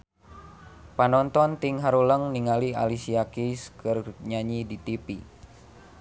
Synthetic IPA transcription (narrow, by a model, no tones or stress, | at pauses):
panɔnt̪ɔnt̪iŋɦaɾuləŋniŋalia̰lisiakiskərɲaɲidit̪ipi